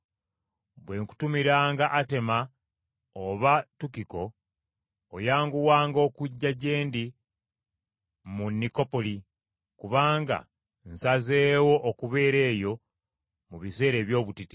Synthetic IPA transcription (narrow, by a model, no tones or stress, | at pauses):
βwe̞ːŋku̥tumiɾaːŋɡaʔate̞ma | oβatukiko̞ː | jaːŋɡuwaːŋɡo̞ːkuɟːaɟe̞ːndi | munːiko̞po̞li | kuβaːŋɡa̰ | n̩saze̞ːwo̞ʔːkuβe̞ːɾe̞ːjo̞ | muβise̞ːɾe̞ːβjo̞ːβutiti̥